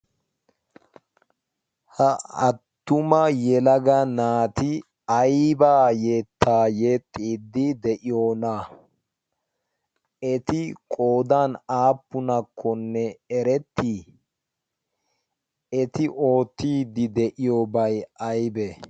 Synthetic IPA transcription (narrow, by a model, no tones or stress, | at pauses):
hɐɐt̪ːʊmɐjɛlɐɡɐnaːt̪ɪ | ɐjbaːjeːt̪ʰːaːjet̪ʼːiːd̪ːɪd̪ɛʔɪjo̞ːna | ɛt̪ɪkʼo̞ːd̪aːnaːpːʊnɐkʰːɔnːɛɛɾɛt̪ːi | ɛt̪ɪʔo̞ːt̪ːiːd̪ɪd̪ɛʔɪjobɐjɐjbɛ